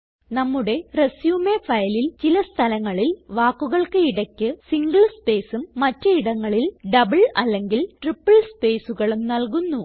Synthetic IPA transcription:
nɐmːuɽe̞resjuːmefɐjɐlilt͡ɕilɐst̪ʰɐlɐŋːɐɭilʋaːkːuɣɐɭkɨiɽɐkʲːɨsiŋɡɐɭspe̞ːsumːɐtːɨiɽɐŋːɐɭilɖɐbɐɭɐlːe̞ŋɡilʈripːɐɭspe̞ːsuɣɐɭumnɐlkunːu

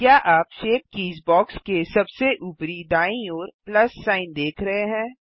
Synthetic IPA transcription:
kjaːʔaːpʃeːp̚kiːzbɔːkskesɐbseʔuːpɾid̪aːĩɔːɾplɐsːaːɪnd̪eːkʰɾɐɦeɦɛ̃ː

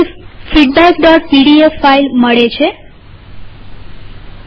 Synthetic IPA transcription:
fiɖ̚bɛkɖɔʈ̚piɽiefːailməɭet͡ʃʰe

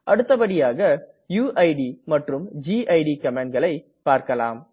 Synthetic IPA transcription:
ʔɐɽɯt̪ːɐpɐɽɪjaːɣɐ | juːʔɐɪɖimɐʈrɯmd͡ʒiːʔɐɪɖikɐmeːɳɡɐɭɐɪ | paːɾkɐla̰ːm

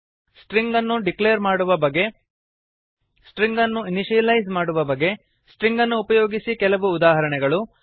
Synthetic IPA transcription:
sʈɾiŋɡɐnːuɖikleːɾmaːɽuʋɐbɐɡːe̞ | sʈɾiŋɡɐnːuiniʃijɐlɐjzmaːɽuʋɐbɐɡːe̞ | sʈɾiŋɡɐnːuːpɐjoːɡisikɛlɐʋuːd̪aːɦɐɾɐɳɛɡɐɭu

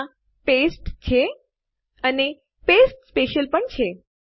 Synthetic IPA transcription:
pesʈt͡ʃʰe | əne | pesʈspeʃəlpəɳt͡ʃʰe

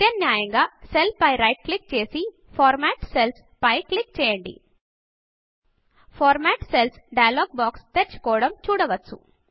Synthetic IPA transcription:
t̪ɐnnjaːjɐŋɡaːselpɐjɾɐjʈ̚klik̚t͡ʃe̞ːsi | pʰɔːɾmaːʈsels | pɐjklik̚ːt͡ʃɛːjɐɳɖḭ | pʰɔːɾmaːʈselsɖɐjɐloːɡ̚baːkst̪eɾt͡ʃu̥kɔːʋɽɐmt͡ʃuːɽɐʋɐt͡sːṵ

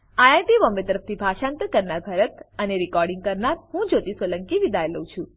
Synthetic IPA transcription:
ajajʈiʋɔmbet̪əɾəf̚t̪ʰibʱaʃãnt̪əkəɾnaɾbʱəɾət̪əneɾikɔɾɖĩŋɡ̚kəɾnaɾɦũd͡ʒot̪isʋələŋkiʋid̪ajləũt͡ʃʰũ

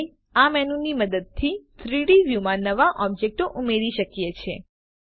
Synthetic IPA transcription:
amɛnũniməd̪əd̪̚t̪ʰit̪ʰɾiɽiʋjumãnəʋaʔɔb̚d͡ʒek̚ʈoʔumeɾiʃəkjet͡ʃʰe

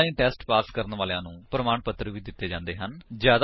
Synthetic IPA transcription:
ĩːʈɛːsʈpaːskəɾənʋaːlãːnũːpɾəmaːɳpət̪ːɾəʋiːd̪ɪt̪ːeːd͡ʒãːnd̪eːɦənd͡ʒjaːd̪

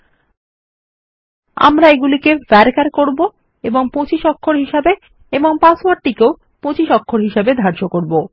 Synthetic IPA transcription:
a̰mɾaeɡulikefɛɾkaɾkoɾbo | eboŋpot͡ɕiʃɔkʰːoɾɦiʃabe | eboŋpaswaɾʈikeo | pot͡ɕiʃɔkʰːoɾɦiʃebed̪ʱaɾʃokoɾbo

